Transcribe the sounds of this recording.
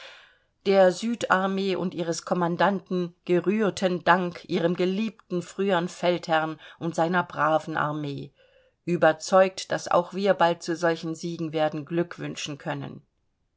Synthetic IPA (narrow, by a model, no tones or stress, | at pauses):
d̥eːɐzyːtaɐmeːʔʊ̰ntʔiːʁ̞əskʰɔmandantn̩ɡ̥əʁyːɐtʰəndaŋkʰʔiːʁəmɡəliːptn̩fʁ̥yːəənfɛlthɛɐnʔʊntz̥aɪnɐbʁaːvn̩ʔa̰ɐmeː | ʔyːbɐt͡sɔʏk̚td̥asa̰ʊxv̥iːɐbalt̚t͡suzɔlçn̩ziːɡŋ̩veːɐdn̩ɡlʏkv̥ʏnʃn̩kʰœnə̰n